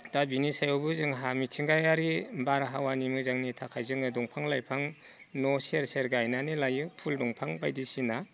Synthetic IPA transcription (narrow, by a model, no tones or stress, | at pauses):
dabinisajɔwbɯzɯŋɦamitʰiŋɡajaɾibaɾɦawanimɯzaŋnitʰakʰajzɯŋɯdɔŋpʰaŋlajpʰaŋ | nɔseɾseɾɡajnanɯlajɯpʰuldɔŋpʰaŋbajdisina